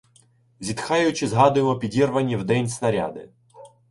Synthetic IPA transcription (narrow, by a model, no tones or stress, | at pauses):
zʲit̪xɑjʊt͡ʃɪzɦɑd̪ʊjemɔpʲidʲirʋɐnʲːiwd̪ɛnʲsnɐɾʲa̰d̪ɪ